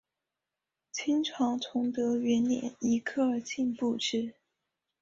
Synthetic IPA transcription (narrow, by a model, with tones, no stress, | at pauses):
t͡ɕʰi˥ŋʈ͡ʂʰɑ˧˥ŋt̪ʰʊ˧˥ŋt̪ɤ˧˥ɥɛ˧˥nnjɛ̰˨˩˦ni˧˥kʰɤ˥˩ə˞˨˩t͡ɕi˥˧npu˥˧ʈ͡ʂɻ̩˥˩